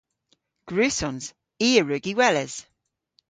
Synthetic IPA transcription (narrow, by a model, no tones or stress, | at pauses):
ɡ̥ɹʉːsɔnz̥ | iːəɹʉɡiwɛlɛz̥